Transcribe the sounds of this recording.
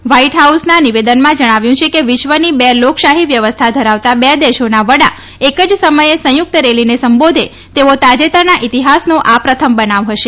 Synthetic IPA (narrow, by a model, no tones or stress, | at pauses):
ʋaiʈɦausnaniʋed̪ənmãd͡ʒəɽ̃aʋjũt͡ʃʰekeʋiʃʋənibɛlokʃaɦiʋjəʋəst̪ʰad̪ʱəɾaʋt̪abɛd̪eʃonaʋəɽa | ekəd͡ʒsəməjesə̃juk̚t̪əɾelinesəmbod̪ʱe | t̪eʋot̪ad͡ʒet̪əɾnaʔit̪iɦasnõʔapɾət̪ʰəmbənaʋɦəʃe